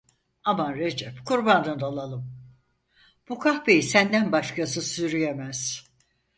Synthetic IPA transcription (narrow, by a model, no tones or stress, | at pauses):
amanɾed͡ʒɛpkʰuɾband̪ɯnd̪olˠalˠɯm | b̥ukʰahbejisænd̪ænbaʃkasɯsyɾyjemæz̥